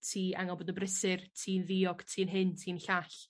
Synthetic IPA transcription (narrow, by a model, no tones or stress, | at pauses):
tʰiːa̰ŋalˠbɔːdənbrɪsɨrtʰiːnðiɔɡ̥tʰiːnɦɨntʰiːnɬaɬ